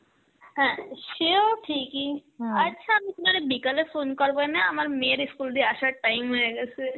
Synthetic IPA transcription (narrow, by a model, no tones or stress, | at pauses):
ɦɛ̃ʃeoʈʰikiɐtːʃʰaamit̪unaɾebikalefonkɔɾbojnaamaɾmeɾiskuld̪ʱiaʃaʈajmɦojeɡɛt͡ɕʰe